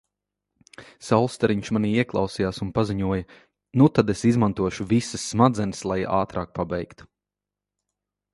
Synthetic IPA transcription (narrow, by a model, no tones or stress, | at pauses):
sawlˠst̪ɛɾiɲʃmaniːiɛklˠɑ̰wsijaːsunpaziɲuɔjɐ | nut̪ad̪esizmant̪uɔʃuvisəsːmad̪zɛnəslˠaja̰ːt̪ɾaːk̚pabɛjkt̪u̥